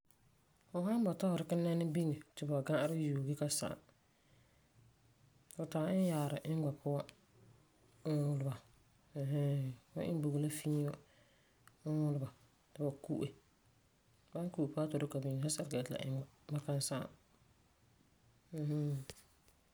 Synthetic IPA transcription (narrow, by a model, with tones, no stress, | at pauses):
fʊ˨ɦa˦n˦ba˨ta˦hʊ˨ɾɪ˨kɪ˦nːa˦nɪ˦bi˦ŋe˨tɪ˨ba˨ɡã˦ʔɾɪ˦juː˨ɡɪ˦ka˦sa̰˨ | fʊ˨taː˨ɪ˦n˦jaː˨ɾɪ̰˨ʔɪ˦ŋ˦ɡ͡ba˨pʰʊ˦wa˦ | ʊ˦wʊ˦lba˨ | ɦɛ˦a̰˦ʔɪ̰˦n˦bo˨ɡla˦fi˦a˦ | ʊ˦wʊ˦lʊ˨ba˨ | tɪ˨ba˨ku˦ʔe˨ | ba˦ŋ˦ku˦˨pʊ˦a˦tɔ˨ɾɪ˦ka˨bi˨ŋ˨sa˦sa˨ɾka˨tla̰˨ʔɪ̰˦ɡ͡ba˨ba˦ka˦nsa̰˦˨ | m̩˨h̩˦